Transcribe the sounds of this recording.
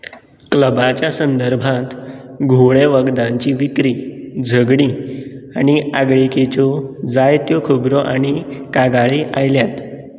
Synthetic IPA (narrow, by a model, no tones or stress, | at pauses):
kləbat͡ɕjasənd̪əɾbʱãt̪ɡʱoɭeʋəɡd̪ãɲt͡ɕiʋikɾid͡zʱəɡɽ̃iːaɽ̃iaɡɭiket͡ɕɔd͡zajt̪jokʰəbɾɔʔaɽ̃ikaɡaɭiʔajljat̪